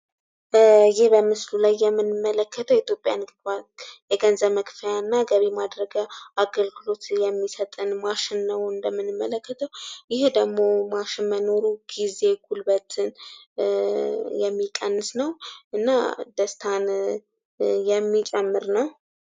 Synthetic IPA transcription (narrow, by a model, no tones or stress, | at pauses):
jɪhbəmɨslulajːɛmːɨnɨmːələkʰːət̪ʰəwit̪ʰjopʼja̰nɡajɛɡənzəβməkfəjanːaɡəβimad̪ɾəɡəʔaɡəlɡɨlo̞t̪jɛmːisət̪ʼɨnmaʃɪnːəwɨnd̪əmːɨnɨmːələkːət̪ʰəwjɪhd̪əɡmo̞maʃɪnməno̞ɾuɡ̥ize̞ɡʰulbət̪ʰɨn | jɛmːikʼənːɨsnəwʔɨnːa̰d̪əst̪ʰan | jɛmːit͡ʃʼɛmːɨɾnəw